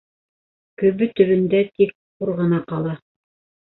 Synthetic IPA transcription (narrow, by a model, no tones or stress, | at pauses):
kɵ̆βɵt̪ɵ̆βɘ̆nd̪æt̪ik̚quɾʁɤ̆nɑqɑlˠɑ